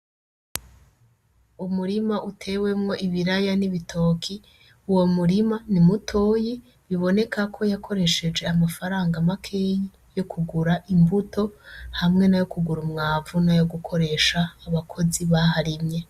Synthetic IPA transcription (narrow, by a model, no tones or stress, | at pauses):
umuɾimaʔutʰe̞we̞mŋo̞ʔiβiɾajaniβitʰo̞ːkʰi | uwo̞muɾimanimutʰoːji | βiβo̞ne̞kʰakʰo̞jakʰo̞ɾe̞ʃe̞d͡ʒe̞amafaɾaːŋɡamakʰej | jo̞kʰuɡuɾaʔimbuto̞hamŋe̞najo̞kuɡuɾumŋaːvunajo̞ɡukʰo̞ɾe̞ʃaːβakʰo̞ziβaɦaɾimɲe̞